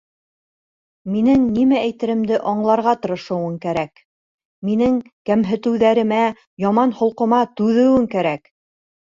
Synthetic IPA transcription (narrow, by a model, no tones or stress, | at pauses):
minɘŋnimææjt̪ɘ̆ɾɘ̆md̪ɘʔɑɴlˠɑɾʁɑt̪ɤ̆ɾɤ̆ʃɤ̆wɤŋkæɾæk | minɘŋkæmɦɘ̆t̪ɘ̆wðæɾɘ̆mæ | jɑmɑnhŏlˠqɤ̆mɑt̪ʉðɘ̆wɘŋkæɾæk